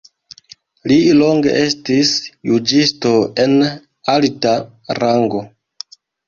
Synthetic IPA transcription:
lilo̞ŋɡe̞̰ʔe̞stisjud͡ʒisto̞e̞n | alta | ɾaŋɡo̞

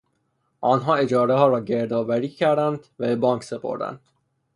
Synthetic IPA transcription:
ʔɒːnɦɒːe̞d͡ʒɒːɾeɦɒːɾɒːɟe̞ɾd̪ɒːvæɾiːcʰæɾd̪ænd̪væbe̞bɒːŋkʰse̞pʰo̞̰ɾd̪æ̰nd̪̥

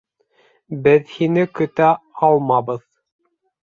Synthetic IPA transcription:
bɘðhinɘkɵ̆t̪æɑlˠmɑbɤð

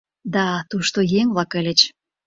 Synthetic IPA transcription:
d̪ɑt̪uʃt̪ojeŋβlɑkelet͡ɕ

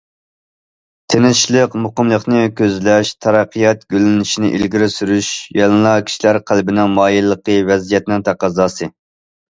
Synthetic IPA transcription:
t̪ʰenɪʃlˠəqmuqəmlˠəqnɨkʲʰøzlɛʃt̪ʰɑɾɑqʰːɨjɑt̪̚ɡʲølɪnɪʃinɪ̰ʔḭlɡʲiɾɪsyɾyʃjɑlˠɨnlˠɑkʲʰi̥ʃilæɾqʰælbɪnɪŋmɑːjilˠːəqəvɛzijɛt̪nɪŋt̪ʰæqɑzɑːsɨ

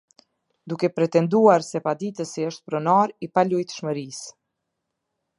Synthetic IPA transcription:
d̪ukɛpɾɛt̪ɛnd̪uaɾsɛpad̪it̪əsiəʃt̪̚pɾɔnaɾipalujt̪ʃməɾis

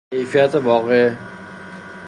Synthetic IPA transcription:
ejfijæt̪ʰeʋɒːɣe

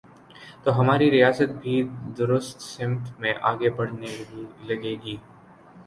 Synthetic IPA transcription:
t̪oɦɐmaːɾiɾijaːsət̪̚bʱiːd̪ʊɾʊst̪sɪ̃mt̪ʰmẽʔaːɡebɐɽ̤nelɐɡeːɡiː

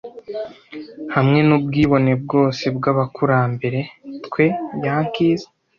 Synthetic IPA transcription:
hamŋe̞nubɡiːβo̞ne̞b̚ɡo̞ːsebɡaβakuɾaːmbe̞ɾe̞tkwe̞jaːŋkiːze̥

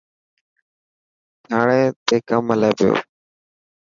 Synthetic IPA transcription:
d͡ʒaːɽeːt̪eːkəmːəleːpɪjo̰ː

